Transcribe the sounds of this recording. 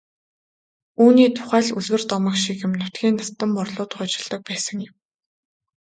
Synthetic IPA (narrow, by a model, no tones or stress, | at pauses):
uːniːt̪ʰʊ̥χæːɮuɮwɘ̆rt̪ɔmə̆kʃikjɪ̆mnʊt̪ɡʲiːnːast̪ə̆mpʊrɮʊːt̪χʊːt͡ɕɪ̆ɮt̪ə̆k̚pæːsə̆ŋjɪ̆m